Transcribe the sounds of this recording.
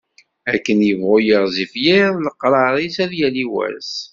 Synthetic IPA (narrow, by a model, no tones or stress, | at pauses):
ækːənjəvʁʊjəʁzifjɪðˤləqːɾˤɑɾˤisæðjæliwæ̰s